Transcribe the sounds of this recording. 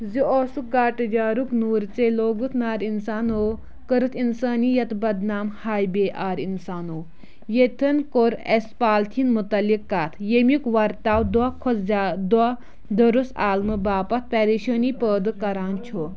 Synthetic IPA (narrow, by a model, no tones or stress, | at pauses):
zioːsukɡaːʈɨd͡ʒaːɾuknuːɾt͡seloːɡut̪ʰnaːɾinsaːnoː | kəɾɨt̪insaːnijɐt̪bɐd̪naːmhaːjbeːʔaːɾinsaːnoː | jet̪ʰɐnkoɾḛspaːlt̪ʰinmut̪ɐlikːaːt̪ʰjemikʋɐɾt̪aːwd̪wakʰozad̪wa | d̪ɐɾusa̰ːlnubaːpɐt̪̚ʰpʲɛːɾiʃəːnipəːd̪ɨkɐɾaːnt͡ʃʰo